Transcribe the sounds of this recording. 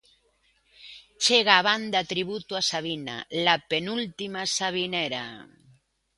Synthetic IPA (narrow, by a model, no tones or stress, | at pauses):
t͡ʃeɣaːβand̪at̪ɾiβut̪uasaβ̞ina̰lapenult̪imasaβ̞ineɾa̰